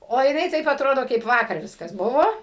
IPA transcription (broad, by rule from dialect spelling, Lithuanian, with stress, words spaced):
oː jɪˈnɐɪ tɐɪp ɐˈtroːdoː kɐɪp ˈʋɑːkɐr ˈʋʲɪskɐs ˈbʊʋoː